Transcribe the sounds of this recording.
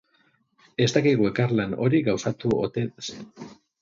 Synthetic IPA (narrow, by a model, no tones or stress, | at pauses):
e̞st̪akiɣue̞karlano̞ɾiɣawsat̪uot̪eðes